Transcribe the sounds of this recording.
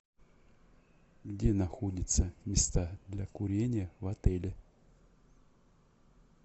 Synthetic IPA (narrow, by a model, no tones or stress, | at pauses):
ɡdʲenɐxodʲɪt̪səmʲɪst̪ad̪lʲakʊɾʲenʲɪjəvɐt̪ɛlʲɪ